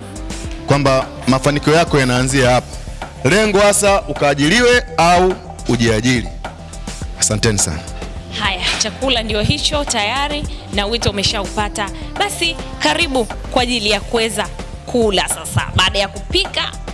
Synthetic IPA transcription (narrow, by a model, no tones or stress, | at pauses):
kwamba | mafanikiɔjakɔjanaːnziahapḁ | lɛŋɡɔhasaʔukaːʄiliwɛauː | ʄiaʄili | asantɛnisa̰nahajat͡ʃakulandiɔɦit͡ʃɔtajaɾinawitɔumɛʃaupataɓasikaɾiɓukwaːʄilijakuwɛza | kʰulasasa̰ɓaːɗajakupika